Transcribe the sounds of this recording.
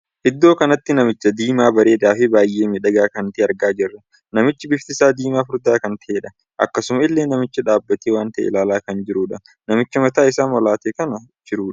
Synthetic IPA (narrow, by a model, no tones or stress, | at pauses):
ʔɪd̪ːo̞ːkɐnɐt̪ːɪnɐmɪt͡ʃːɐd̪iːmaːbɐɾeːd̪aːfɪbaːjʔeːmɪᶑɐɡaːkɐnt̪eːɐɾɡaːd͡ʒɪrːɐ | nɐmɪt͡ʃːɪbɪft̪ɪsaːd̪iːmaːfʊɾd̪aːkɐnt̪ɐʔeːᶑɐ | ʔɐ̰kːɐsʊmɐɪlːe̞ːnːɐmɪt͡ʃːɐᶑaːbːɐt̪eːwaːnt̪ɐʔḛlaːlaːkɐnd͡ʒɪɾuːᶑɐ | nɐmɪt͡ʃːɐmɐt̪aːɪsaːmɔlaːt̪eːkɐnɐd͡ʒɪɾuːᶑ